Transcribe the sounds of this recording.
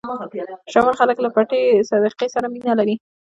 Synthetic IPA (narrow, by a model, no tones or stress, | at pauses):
ʃamalxaləklapaʈesad̪əqesaɾaminalaɾi